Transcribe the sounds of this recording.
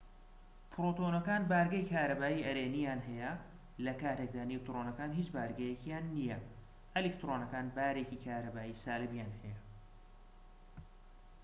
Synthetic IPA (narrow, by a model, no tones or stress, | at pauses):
pʰɾoːt̪onɐkaːnbaːɾɡɐjkʰaːɾɐbaːiɐɾeːnijaːnɦɛjɐ | lɐkaːt̪ek̚d̪aːnek̚t̪ɾonɐkaːnɦit͡ʃbaːɾɡɐjekjaːnːijɐ | ɐlikt̪ɾonɐkaːnbaːɾe̞ːcikʰaːɾɐbaːjiːsaːlɨbjaːnhɛjɐ